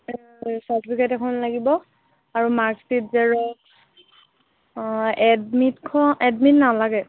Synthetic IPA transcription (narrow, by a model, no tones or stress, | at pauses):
satipʰikajtɛkʰɔnlaɡibɔ | aɹumaɹksit̚zɛɹɔ | ɛdmitkʰɔʔɛdmitnalaɡɛ